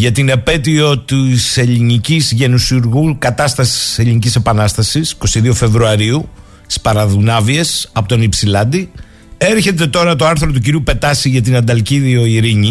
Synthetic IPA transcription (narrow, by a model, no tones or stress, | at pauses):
ʝɐt̪ine̞pe̞t̪io̞t̪ise̞ʎinicizʝe̞nusiuɾɣukɐt̪ɐst̪ɐsi̥se̞ʎinicise̞pɐnɐst̪ɐsisi̥ko̞siðio̞fe̞vɾuɐɾiu | spɐɾɐðunɐvie̞sɐpot̪o̞nipsilɐnd̪i | e̞ɾçe̞t̪e̞t̪o̞ɾɐt̪o̞ɐɾθɾo̞t̪uciɾiupe̞t̪ɐsiʝɐt̪̬inɐnd̪ɐlciðio̞iɾiɲi